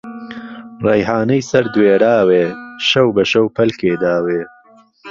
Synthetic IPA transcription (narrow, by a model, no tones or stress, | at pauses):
rɛjɦaːnɐjsɐɾd̪weːɾaːweːʃɐwbɐʃɐwpʰɐlkeːd̪aːweː